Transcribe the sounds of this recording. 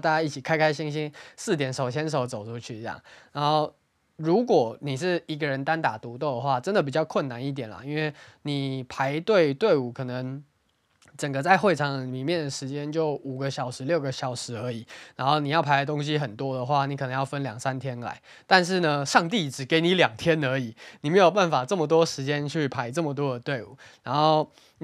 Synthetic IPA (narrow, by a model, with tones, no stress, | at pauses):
t̪a˥˩t͡ɕja˥i˥˩t͡ɕʰi˨˩kʰa˥ɪkʰa˥ɪɕi˥ŋɕ̬i˥ŋsɹ̩˥˩t̪jɛ˨˩˦nʂo˨˩ʊɕjɛ˥nʂ̬o˨˩ʊt͡so˨˩ʊʈ͡ʂʰu˦˥t͡ɕʰy˥˩˧jɑ̰˥˩ŋna˧˦˥nxo˥˩ʊ | ɻu˧˥kwɔ˨˩ni˨˩ʂ̬ɻ̩˥˩i˧˥ɡə˨ɻə˧˦nt̪a˦nt̪a˨˩t̪u˧˥t̪o˥˩ʊd̪ə˩xwa˥˩ʈ͡ʂə˦˥nd̪ə˨p̬i˨˩t͡ɕjɑ˥˧ʊkʰwə˥˩na˧˦ni˥˩t̪jɛ˨˩nlɐ̰˩i˦˥nwe˥˩ɪni˨˩pʰa˧˥ɪt̪we˥˧ɪt̪we˥˩ɪu˨˩kʰɤ˨˩nə˧˦ŋ | ʈ͡ʂə˨˩ŋɡə˦t͡sa˥˧ɪxwe˥˩ɪʈ͡ʂʰɑ˨˥ŋd̪ə˨i˨mi˨˩mjɛ˥˩nd̪ə˩ʂɻ̩˧˥t͡ɕjɛ˦nt͡ɕjo˥˩ʊu˨˩ɡə˦ɕjɑ˨˩ʊʂɻ̩˧˥ljo˥˩ʊɡə˦ɕjɑ˨˩ʊʂɻ̩˧˥ə˧˥i˨˩˦na˧˥nxo˥˩ʊni˨˩jɑ˥˩ʊpʰa˧˥ɪdə˧t̪o˥ŋɕ̬i˦xə˨˩nt̪wɔ˥d̪ə˨xwa˥˩ni˧˥kʰɤ˨˩nə˧˦ŋjɑ˥˩ʊfə˦˥nljɑ˨˩ŋsa˦nt̪ʰjɛ˥nla̰˧˥ɪ | t̪a˥˧nʂ̬ɻ̩˥˩nə˩ʂɑ˥˧ŋt̪̬i˥˨˩ʈ͡ʂɻ̩˨˩ke˧˥ɪni˧˥˦ljɑ˨˩ŋt̪ʰjɛ˦˥nə˧˥i˨˩˦ni˨˩me˧˥ɪjo˨˩pa˥˩nfa˨˩ʈ͡ʂə˥˩mə˩t̪̬wɔ˥ʂɻ̩˧˥t͡ɕjɛ˥˦nt͡ɕʰy˥˩pʰa˧˥ɪʈ͡ʂə˥˩mə˩t̪̬wɔ˥d̪ə˨t̪we˥˩ɪṵ˨˩na˧˥nxo˥˩ʊ